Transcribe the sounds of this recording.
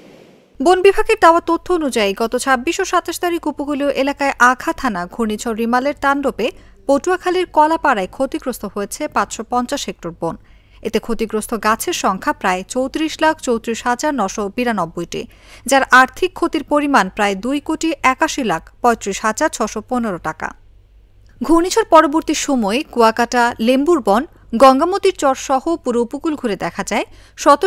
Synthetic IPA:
bonbibʱaɡeɾd̪aoat̪ot̪ʰːoonud͡ʑaiɡɔt̪ot͡ɕʰabːiʃoʃat̪aʃt̪aɾikupoɡulioʔelakaeʔaɡʱat̪ʰanaɡʱuɾnit͡ɕʰoɾimaleɾt̪anɾope | potuakʰaliɾkɔlapaɾaekʰot̪iɡɾost̪ʰoɦojet͡ɕʰepat͡ɕʃopɔnt͡ɕaʃek̚ʈoɾbon | et̪ekʰot̪iɡɾost̪ʰoɡat͡ɕʰeɾʃɔŋkʰapɾaet͡ɕowt̪ɾiʃlakʰt͡ɕowt̪ɾiʃɦad͡ʑaɾnɔʃobiɾanɔbːojʈḭ | d͡ʑaɾʔaɾt̪ʰikʰːot̪iɾpoɾimanpɾaed̪ujkoʈiʔɛkaʃilak̚ʰpɔ̃jt̪ɾiʃɦad͡ʑaɾt͡ɕʰɔʃoponeɾoʈaka̰ | ɡʱunit͡ɕʰoɾpɔɾoboɾt̪iɾʃomɔekuakaʈalembuɾbɔn | ɡɔŋɡamot̪iɾt͡ɕɔɾʃɔhopuɾoupokulɡʱuɾed̪ɛkʰad͡ʑaeʃɔt̪o

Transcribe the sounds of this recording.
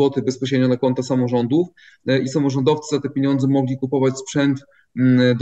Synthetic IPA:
ɔt̪ɘbɛspɔɕ̬ɾed̪ɲɔnakɔnt̪asamɔʐɔnd̪uf | ʔisamɔʐɔnd̪ɔft̪sɘzat̪ɛpʲjeɲɔ̃nd̪zɛmɔɡlʲikupɔvat͡ɕspʂɛnt̪f | d̪

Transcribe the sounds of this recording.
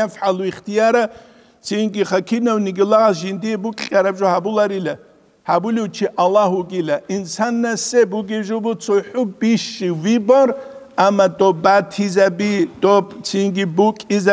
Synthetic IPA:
afħaluiχt̪ʰijaɾa | t͡sʰinɡiχakʰinɐwniɡilaʁas̬ʒind̪ijɛbukʼʲaɾabʒɔhabulaɾila | habuliwt͡ʃʰiʔalːaɦuɡilaʔinsanːasɛbuɡiʒubut͡sʰɔħʊbiʃiwibɔr | amad̪ɔbatʰizabid̪̥ɔpʼt͡sʰinɡibukʼiza

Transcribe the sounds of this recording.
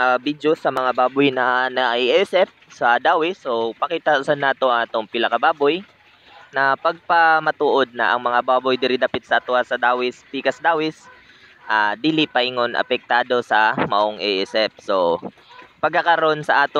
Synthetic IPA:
ɐbid̪josɐmɐŋabaːbʊjnɐnɐʔiʔɛsɛp̚sɐd̪aːwɪsopɐkiːt̪ɐsanːaːt̪oaːt̪oŋpɪlɐkɐbaːboj | nɐpɐɡ̚pɐmɐt̪uːʔod̪̚nɐʔɐŋmɐŋabaːbojd̪ɪɾɪd̪ɐpɪt̪̚sɐʔɐt̪oʔasɐd̪aːwɪsp̪iːkɐsd̪aːwɪs | ʔaːd̪iːlɪpɐɪŋonʔɐ̰pɛk̚t̪aːd̪o̞sɐmɐʔoŋʔɛʔɛsɛp̚so̞ | pɐɡkːɐkɐɾo̞nsɐʔaːt̪o

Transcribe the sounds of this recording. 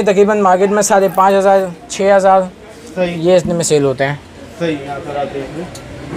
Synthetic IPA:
t̪əkɾiːbənmaːɾkɪʈmẽsaːɾepãːt͡ʃɦəzaːɾt͡ʃʰeːɦəzaːɾ | jeɪsnemɪ̃seːlɦoːt̪eɦɛ̃ː | i

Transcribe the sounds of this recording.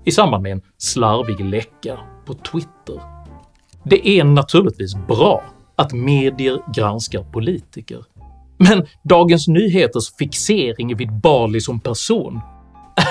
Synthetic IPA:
ɪsambanmɛɛnslaɾvɪɡlɛkːapʰɔt̪ʰwɪt̪ːə̰ɾ | d̪ɛʔænat̪ʰʉ̟ːlɪt̪viːs̬bɾɑː | at̪meːd̪ɪəɾɡɾanskaɾpʰʊliːt̪ɪkə̰ɾ | mɛnd̪ɑːɡənsnyːɦeːt̪əʂfɪkseːɾɪŋɛvɪd̪̚bɑːlɪsɔmpʰæɾʂuːn

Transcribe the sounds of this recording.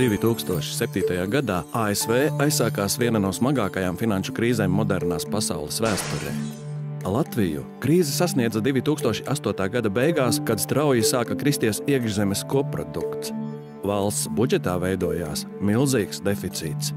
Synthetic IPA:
d̪̥ivʲit̪uːkst̪uɔʃi̥sep̚t̪iːt̪ajaːɡad̪aːaːesvɛːajsːaːkaːsviɛnanuɔsmaɡaːkajaːmfinanʃukɾiːzɛːmːɔd̪ɛɾnaːspasa̰wlˠɛsvæːst̪uɾɛ̰ː | lˠat̪vijṵkɾiːzɛsasniɛd̪zad̪ivʲit̪uːkst̪uɔʃi̥ʔast̪uɔt̪aːɡad̪abejɡaːskad̪st̪ɾawjisaːkakɾist̪iɛsiɛɡʒzɛmɛskuɔpːɾɔ̰d̪ṵkt̪s | valˠst̪sbud͡ʒɛt̪aːvɛjd̪uɔja̰ːs | milˠziːksd̪efit̪sḭːt̪s

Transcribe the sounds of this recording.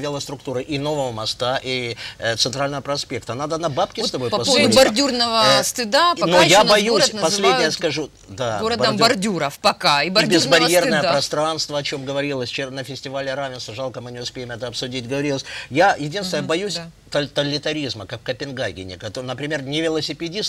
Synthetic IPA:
vʲɪlˠəst̪ɾʊkt̪uɾɨʔino̞vəvəmɐst̪aʔit̪sɨnt̪ɾalʲnəvəpɾɐspʲe̞k̚t̪ənad̪ənɐbapkʲɪt̪ɐbo̞jppɐsd̪ʊbɐrdʲurnəvəst̪ɪd̪anojanbɐjusʲpɐslʲednʲɪjəskɐʐu | d̪aɾədbɐbɐrdʲuɾəfpɐkaibɐbʲɪzbɐɾʲje̞rnəjəppɾɐst̪ɾanst̪vəɐt͡ɕo̞mɡəvɐɾʲilˠəsʲt͡ɕenəfʲɪsʲtʲɪvalʲɪɾavʲɪnst̪vəʐalˠkəmɨnʲɪʊspʲejɪmɛt̪əɐpsʊdʲitʲɡəvɐɾʲilˠəsʲjajɪdʲinst̪ʲɪnəjəbɐjusʲt̪t̪əlʲːɪt̪ɐɾʲizməkakːəpʲɪnɡajɡʲɪ̰nʲɪ̰kɐt̪nəpɾʲɪmʲe̞rnʲɪvʲɪlˠəsʲɪpʲɪdʲis

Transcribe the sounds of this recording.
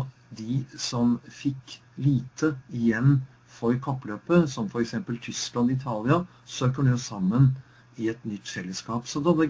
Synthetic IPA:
d̪ɪsɔmfɪkː | liːt̪ʰəɪjɛnː | fɔɾkʰɑpːløːpəsɔmfɔɾɛksɛmpəlt̪ʰʏsklɑnd̪ɪt̪ʰɑːlɪɑ | søːkəɖʉɔsɑmːən | ɪɛt̪nʏt̪ːfɛlːəskɑːpsɔd̪ɛnːɛ

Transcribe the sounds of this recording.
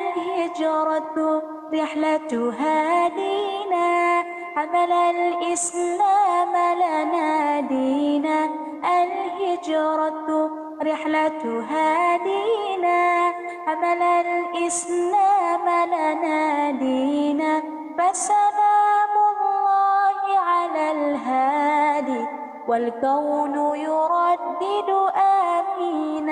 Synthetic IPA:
alhɪd͡ʒɑɾˤɑt̪ | ɾɪħlat̪ɦaːd̪iːnaː | ʔamalalʔɪsaːmalanaːd̪iːnaː | ʔalhɪd͡ʒɑːɾˤɑt̪ | ɾɪħlat̪ɦaːd̪iːnaː | amalalʔɪsnaːmalanaːd̪iːnaː | fasamaːmʊlːɑːhɪʕalalɦaːd̪i | walkawnʊjʊɾˤɑd̪ːɪd̪ʊʔamiːna

